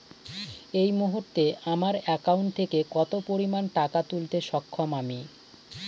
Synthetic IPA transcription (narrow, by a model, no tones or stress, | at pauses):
ejmuɦuɾt̪eamaɾɛkauɳʈ̚t̪ʰekekɔt̪opoɾimanʈakat̪ult̪eʃɔkʰːomami